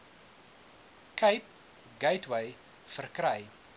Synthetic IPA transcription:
kʰɐjp̚ | ɡɐjtwəj | fərkɾəj

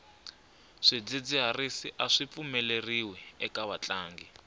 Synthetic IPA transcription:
ʂid͡zid͡ziɦarisiʔaʂip̪fumɛleriwɛɛkaβat͡ɬʼaːŋɡi

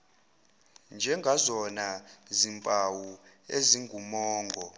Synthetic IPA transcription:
nd͡ʒʱɛŋɡʱazɔnazimpʼawu | eziŋɡʱumɔːŋɡʱɔ

